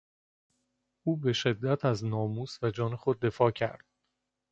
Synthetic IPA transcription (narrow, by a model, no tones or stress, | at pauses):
ʔuːbeʃe̞d̪ːæt̪ʰæznɒːmuːsvæd͡ʒɒːne̞xo̞d̪̚ːe̞fɒːcʰæ̰ɾd̪̥̚